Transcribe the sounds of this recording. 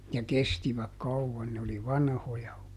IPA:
jɑ kestiʋæk kɑuʋːɑn ne oli ʋɑnhojɑ

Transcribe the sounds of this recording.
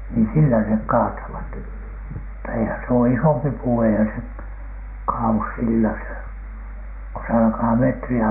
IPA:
niː silːæ nek kɑːtɑʋɑt mutːɑ eihæn s oː isompi puː eihæn se kɑːus silːæ se ko se ɑlkɑː metriæ

